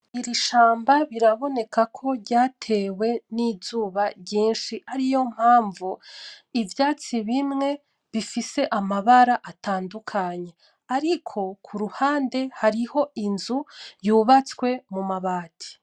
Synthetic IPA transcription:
iɾiʃaːmbaβiɾaβo̞ne̞kʰakʰo̞ɾɟaːtʰe̞ːwe̞nizuːβaɟiːnʃiaɾijo̞m̥haːɱvuivjaːt͡siβimŋe̞ | βifise̞ʔamaβaɾaʔataːndukʰaɲe̞ | aɾikʰo̞kʰuɾuhaːnde̞haɾiho̞inzujuβat͡swe̞mumaβaːtʰi̥

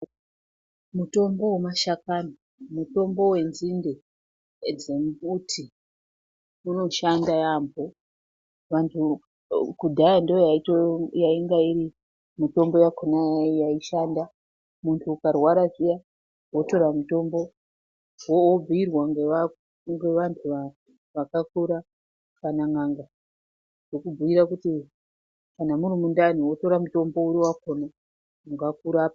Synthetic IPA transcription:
muto̞mbo̞wemaʃakana | muto̞mbo̞we̞nzinde | d͡zemutʰi | uno̞ʃandajambʱo | ʋantʰu | kudʱajandiojaitojaiŋɡaiɾi | mito̞mbo̞jakonajaijaiʃanda | muntʰuːkarwaɾaʐija | wo̞to̞ɾamuto̞mbo̞ | woːb͡viirwaŋɡeʋa | ŋɡe̞ʋantʰuʋa | ʋakakuɾa | kanaŋaŋɡa | ʐ̥ekubuiɾakuti | kanamuɾimundaniwo̞to̞ɾamuto̞mbo̞uɾiwako̞na | uŋɡakuɾaːpa

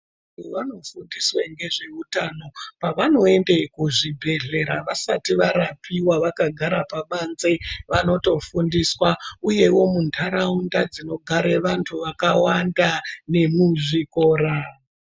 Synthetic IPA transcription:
a | tuʋano̞fundisweŋɡe̞ʐe̞utano̞paʋano̞e̞ndekuʐibʱe̞ɮe̞ɾaʋasatiʋaɾapiwaʋakaɡʱaɾapaɓanzeʋano̞to̞fundiswauje̞wo̞mundʰʱaɾaundad͡zino̞ɡʱaɾeʋantʰuʋakawandane̞muʐiko̞ːɾa

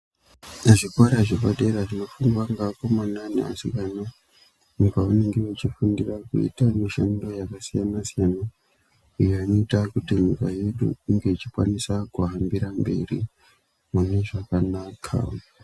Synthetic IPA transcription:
aʐikwaɾaʐekaɗeɾaʐino̞fuŋɡwaŋɡakomananḛa̰sikana | mukaune̞ŋɡewet͡ʃifundirakṵḭtamiʃa̰ndo̞jakasijanasijana | ujoano̞itakutiɲukaje̞ɗṵːŋɡe̞it͡ʃikwa̰nisakuɦambiɾambe̞̰rḭ | mune̞ʐakanakʰa̰

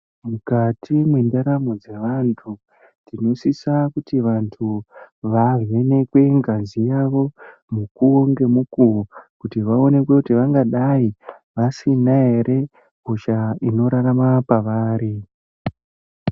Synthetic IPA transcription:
mukatʰimwendaɾamod͡ze̞ʋantʰu | tino̞sisakutiʋantʰuʋave̞ne̞kwe̞ŋɡazijaʋo̞mukuoŋɡe̞mukukutiʋao̞ne̞k̬we̞kutiʋaŋɡaɗai | ʋasinaɦe̞ɾʔe̞ | ɡʱoʃaino̞ɾaramapaʋaːɾi

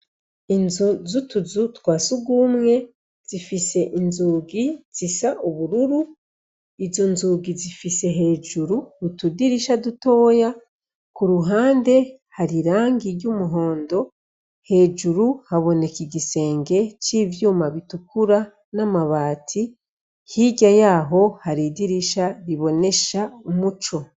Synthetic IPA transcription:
inzuzutuzutwaːsuɡumŋe̞ | z̥ifise̞ʔinzuːɡiz̥isaʔuβuɾuɾu | izo̞nzuɡizifise̞ɦe̞ːd͡ʒuɾuutudiɾiʃaduto̞ːja | kuɾuɦaːnde̞ | haɾiɾaːŋɡiɾɟumuɦo̞ːndo̞ | he̞ːd͡ʒuɾuhaβo̞ne̞kiɟise̞ːŋɡe̞ciːvjuːmaβitukuɾa | namaβaːtʰi | hiɟajaːɦo̞haɾidiɾiʃaɾiβo̞ne̞ʃaumut͡ʃo̞

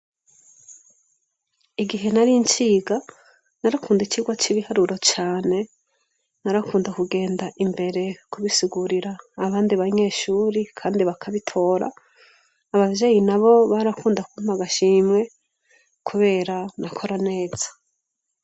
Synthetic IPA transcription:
iɡiɦe̞naɾint͡ʃiːɡa | naɾakʰuːndit͡ʃiːɡwat͡ʃiβihaɾuɾo̞t͡ʃaːne̞ | naɾakuːndakuɡe̞ːndaʔimbe̞ɾe̞kuβisiɡuɾiɾaːβaːndiβaɲe̞ːʃuːɾikʰaːndiβakʰaβitʰo̞ːɾa̰ː | βavje̞ːjinaβo̞βaɾakuːndakum̥aɡaʃiːmŋe̞ | kʰuβe̞ːɾanakʰo̞ɾane̞ːz̥ḁ

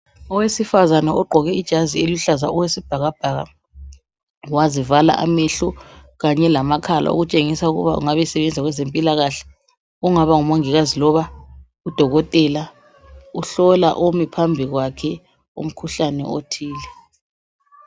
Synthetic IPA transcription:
ɔwesifazanɛɔɡ͡ǃʱɔɣɛid̥ʒ̥ʱazieluɬazaɔwesib̥ʱaɣab̥ʱaɣa̰ | wazivala̰ʔa̰meɬu | ɣaɲɛlamakʰalʔa̰o̰ɣut͡ʃʼeŋisauɣṵβa̰ṵŋaβɛsɛβɛnd͡zʱaɣwɛzempʼilaɣaɬɛ̥ | uŋaβaŋumoŋiɣazilɔβa | ud̥ʱɔɣɔtʼɛla | uɬɔla̰ʔomipʰambʱiɣwakʰɛ | ṵm̩kʰuɬanɛ̰o̰tʰiːlɛ

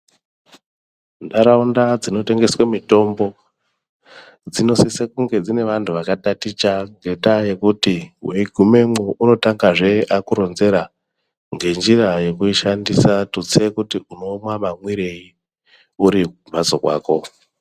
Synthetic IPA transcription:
ndaɾaundad͡zino̞te̞ŋɡe̞swemito̞mbo̞ | d͡zino̞sisekuŋɡe̞d͡zine̞ʋantʰuʋakatatit͡ʃaŋɡe̞taje̞kutiweiɡʱume̞muʔuno̞taŋɡaʐe̞akuɾo̞nze̞ɾa | ŋɡe̞nd͡ʒiɾaje̞kuiʃandisatut͡sekutiuno̞mwamamwiɾe̞ji | uɾikubʱat͡sokwa̰ːko̞

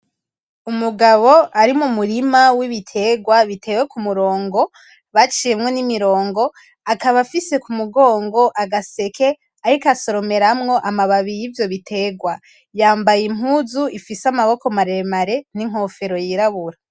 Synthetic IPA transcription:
umuɡaβo̞aɾimumuɾimawiβitʰe̞ɡwaβitʰe̞we̞kumuɾo̞ːŋɡo̞ | βat͡ʃijemŋo̞nimiɾo̞ːŋɡo̞ | akaβafise̞kumuɡo̞ːŋɡo̞ʔaɡase̞kʰe̞ | aɾikaso̞ɾo̞me̞ɾamŋo̞ʔamaβaβijivjo̞βitʰe̞ɡwa | jaːmbajim̥uːzuifisamaβo̞ko̞maɾemaɾe̞n̥iŋ̥o̞fe̞ɾo̞jiɾaβuɾa

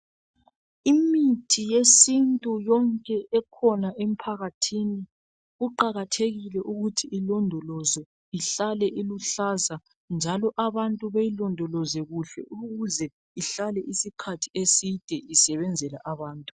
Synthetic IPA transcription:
imitʰijesintʼujɔŋkʼɛʔɛkʰɔnaʔem̩pʰaɣatʰini | ɣuǃaɣatʰeɣilɛʔuɣutʰiilɔndʱɔlɔzɔ | iɬalɛʔiluɬaza | nd͡ʒʱalɔʔaβantʼuβajilɔndʱɔlɔzɛɣuɬɛ̰ʔuɣɣuzɛ | iɬalɛʔisikʰatʰiesid̥ʱɛʔisɛβɛnd͡zʱɛla̰ʔaβaːntʼu̥

